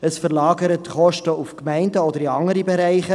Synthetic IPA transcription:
əsfərlɑːɡəɾətχɔʃtəufkmæɪndəɔdəɾiɑŋəɾibeɾæɪχə

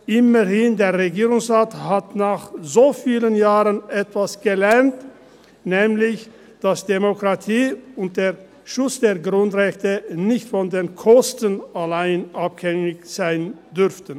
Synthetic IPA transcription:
ʔɪmɐhɪndeːɐʁeɡiːʁʊŋsʁaːthatnaːχzoːfiːlənjaːʁənʔɛtv̥asɡ̥əlɛɐnt | nɛːmlɪç | d̥asd̥emokʁ̥atʰiːʊnt̚d̥eːɐ | ʃʊt͡sd̥eːɐɡʁʊntʁɛçtənɪçtfɔndeːnkʰɔstənalaɪnʔaphɛŋɪçz̥aɪndʏʁftən

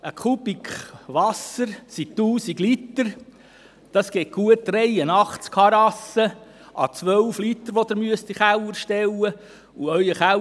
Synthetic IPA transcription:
əkʰub̥ikχʋɑsəɾsit̪uːsiɡlit̪əɾ | d̥ɑsɡ̥ɛːt̚ɡ̥uətːɾɛjənɑχt͡skʰɑɾɑsə | ʔɑ̰t͡sʋœlflit̪əɾʋod̪əɾmyəst̪iχæwəɾʃtɛwə | uœjəχæ

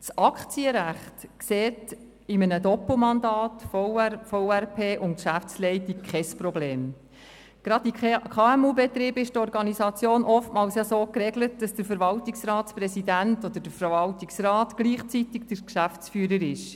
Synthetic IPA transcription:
t͡sɑkχt͡siəɾæχtkseːt | ɪmənədɔpl̩mɑndɑːtffoʊærpʰeːʔʊntkʃæft͡slɛɪtik̚kʰχɛsprɔbleːm | ɡ̥ɾɑdikʰɑːɛmuːbɛt̪ɾiːbɪʃtɔɾɡɑnisɑt͡sjoːnʔɔftmɑːlsjɑsoːkɾeɡlət̚d̥ɑsd̥əɾfəɾvɑltiksrɑːtsprɛsidæntɔd̥̪əd̥əfəɾvɑltiksrɑːtɡ̥liːχt͡sitɪkd̥əɾkʃæft͡sfyːɾəɾɪʃ

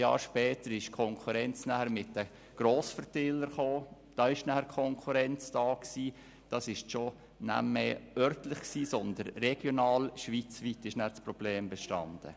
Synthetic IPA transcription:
jɑ̰ːɾʃpɛːtəɾɪʃkʰɔŋkʰuɾɛnt͡snæhəɾmɪt̚d̥ə | ɡ̥ɾoːsfəɾtɪləɾχoː | d̥ɑːɪʃnæhəkʰɔŋkʰuɾɛnt͡sd̥ɑːksiː | d̥ɑsɪʃʃo | næ̰mːeœɾtlɪχksiːsɔnd̪ənrɛɡ̥jonɑːlʃʋit͡sʋitːɪʃnæt͡sprɔb̥leːmbɛʃtɑ̰nd̥ə̰

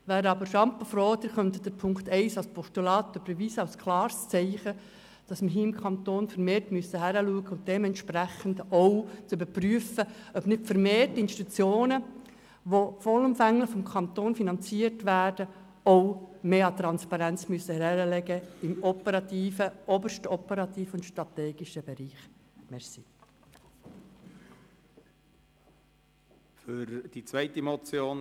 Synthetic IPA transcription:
ʋæːɾɑbəɾʃɑmpːəfɾɔːd̪ɪɾχœnt̪d̥əɾpʰʊŋkt̪ɛɪsɑlspʰɔʃtulɑːtøbɛʋiːsɑʊskʰlɑːɾst͡sɛɪχə | d̥ɑsməɦiːɪmkʰɑntoːnfəɾmeːrtmyəsəɦæɾəluəɡəʊnt̚d̥ɛmɛntʃpɾæχəndowt͡sybəɾpryəfəœbnɪtfəɾmeːrtɪnʃti̥ut͡sjoːnə | ʋofɔləmfæŋləχfɔmkʰɑnt̪oːnfinɑnt͡siːərtʋæːɾd̥ə | ɔʊmeːɑt̪ɾɑnspɑɾænt͡smyəsəhɛɾɛɾəlɛɡəɪmɔpəɾɑt̪iːfəʔɔbəɾʃtɔpəɾɑt̪iːfʊntʃtɾɑteːɡ̥ɪʃəbɛɾiːχmɛɾsi | fʏɾd̥it͡svæɪtimɔt͡sjoːn

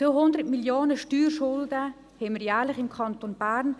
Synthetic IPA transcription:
oɦʊnd̪əɾtmiljoːnəʃtyːrʃʊldə | hɛməɾjæːɾlɪχɪmkʰɑnt̪onb̥æɾn

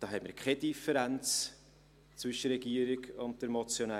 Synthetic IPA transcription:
d̥ɑːɦɛmḭɾkʰɛdifəɾænt͡s | t͡svʏʃəɾrɛɡiəɾiɡʊnt̚d̥ɛɾmɔt͡sjonæ

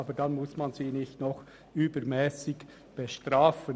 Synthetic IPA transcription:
ɑːbəd̥ɑnmʊsmɑnziːnɪçtnɔχ | yːbəɾmɛːsɪɡ | b̥ɛʃtraːfə

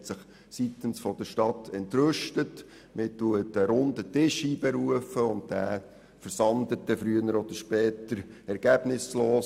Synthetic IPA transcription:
tsɪχ | sitənsfɔd̪əʃtɑtʰɛntɾøʃtət | mɪtuətəɾʊndətɪʃiːbɛɾuəfəʊnt̚d̥æː | fəɾsɑnd̪ət̚dɛfɾyənəɾɔd̥̪əʃpɛːtəɾɛɾɡ̥æb̥nɪsloːs

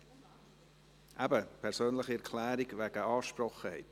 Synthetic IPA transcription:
ʔæbəpʰɛʁsøːnləχiɛʁkʰlæːɾiɡvæɡ̥əɑːʃprɔχəhɛ̰ɪt

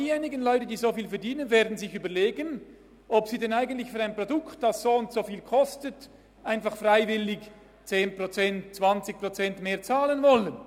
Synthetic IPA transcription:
iːjeːnɪɡənlɔʏtəd̥iːzofiːlfɛɐdiːnənveːɐdn̩zɪçyːbɐleːɡən | ɔpsiːdɛnaɪɡən̩tlɪçfyːʁaɪnprodʊktd̥ɑsz̥oːʊntsofiːlkʰɔstət | ʔaɪnfɑχfraɪvɪlɪç | t͡seːnpʁot͡sɛntt͡sv̥ɑnt͡sɪç̥̚pʁot͡sɛntmeːɐt͡saːlənvɔlən

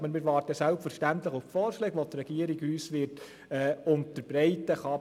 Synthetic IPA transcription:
bənmɪːɾʋɑːɾtəsælpfəɾʃtæntləχʊffɔːɾʃlɛːɡʋot̪rɛɡiəɾiɡyːsʋɪɾt | ɛʊntəɾb̥ɾɛɪtəχɑ

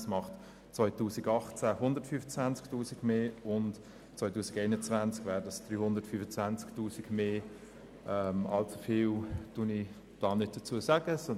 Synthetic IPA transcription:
smɑχt | t͡sʋɔʏtuːsiɡɑχt͡sæɦʊndəɾtfyfət͡svænt͡sktuːsiɡmeːʊnt | t͡sʋɔɪtuːsiɡɛɪnət͡svænt͡skvɛːɾdɑsd̥ryːhʊndəɾtfyfət͡svænt͡sktuːsiɡ̥meː | ʔɛmɑ̰lt͡su̥fiːwtʊni | d̥ɑːnɪt̚d̥ət͡suəsaɡ̥əsɔ

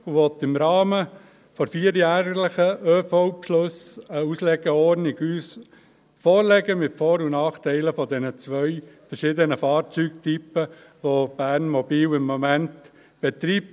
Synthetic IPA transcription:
uʋɔt̪ɪmɾɑːmə | fɔɾfiːəɾjæːɾlɪχəʔøːfɔʊpʃlʊsəuslɛɡ̥əɔɾnɪɡyːs | fɔːɾlɛɡəmɪtfɔːɾunɑːχtɛɪləfɔdɛnət͡sʋœʏfɛɾʃɪd̪ənəfɑːɾt͡syːk̚typəʋob̥æːɾnmɔbiːwɪmːɔmænt | b̥ɛt̪ɾiːp̚

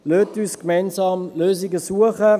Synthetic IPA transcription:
løːtyːskmɛɪnsɑːmløːziɡəsuəχə

